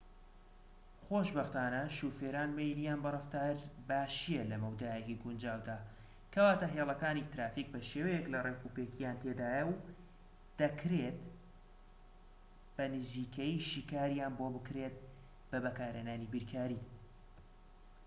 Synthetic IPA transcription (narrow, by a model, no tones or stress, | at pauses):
xoːʃbɐxt̪aːnɐʃuːfeːɾaːnmejnijaːnbɨrɐft̪aːɾbaːʃijelɐmɐwd̪aːjeciɡund͡ʒaːwd̪aː | kʰɐwaːt̪ɐɦeːlˠɐkaːnit̪ɾaːfiːk̚bɐʃewejeklɐrekuːpeːkʰijaːnt̪ʰed̪aːjɐw | d̪̥ɐkʰɾet̪ | b̥ɐnɨziːkʰɐjiʃiːkaːɾjaːnbobɨkɾeːt̪̚ | bɐbɐkaːɾenaːnibiɾkʰaːɾi